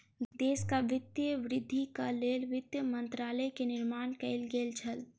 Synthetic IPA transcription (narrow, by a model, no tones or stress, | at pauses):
d̪eːskaʋɪt̪jəʋɾɪd̪ʱːikəlelʋɪt̪jəmənt̪ɾaːləkenɪɾmaːnkɛɪlɡelt͡ʃʰəl